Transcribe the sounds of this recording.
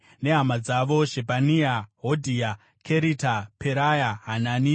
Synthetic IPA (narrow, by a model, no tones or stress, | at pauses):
ne̞ɦamad͡zaʋo̞ʒepaniaɦodʱia | kʰeɾitapeɾajaɦanani